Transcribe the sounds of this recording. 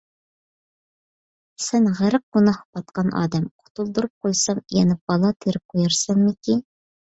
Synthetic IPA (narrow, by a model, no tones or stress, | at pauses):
sænʁæɾɨq̚ɡunɑhbɑt̪qɑnʔɑ̰ːd̪ɛmqʰʊ̥t̪ulˠd̪uɾup̚qʰojsɑmijɛnɪp̚b̥ɑlˠɑt̪ʰeɾɪp̚qʰojɑɾsɑnmɪkʲi